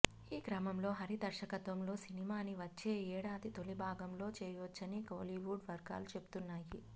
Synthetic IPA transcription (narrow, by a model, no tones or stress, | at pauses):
iːɡɾɐmɐmlo̞ːɦɐɾid̪ɐɾʃɐkɐt̪ʋɐmlo̞ːsinimaːniʋɐt͡ʃːe̞ːɛːɽaːd̪it̪olibʱaːɡɐmlo̞ːt͡ʃɛːjʋɔt͡ʃːɐnikoːliʋuːɖʋɐɾɡa̰ːlut͡ʃe̞bu̥t̪unːaːji